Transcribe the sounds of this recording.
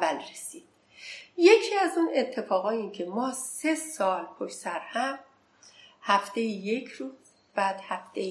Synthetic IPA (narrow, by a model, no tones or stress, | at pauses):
vælresiːd̪̥̚ | je̞cʰiːæzune̞t̪ʰːe̞fɒːɣɒːjincʰe̞mɒːse̞sɒːlpʰoʃsæɾhæm | hæft̪e̞jije̞cʰɾuːz | b̥æːd̪̥hæft̪ej